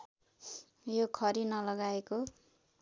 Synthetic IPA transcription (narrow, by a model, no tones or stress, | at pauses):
jokʰʌɾinʌlʌɡaeko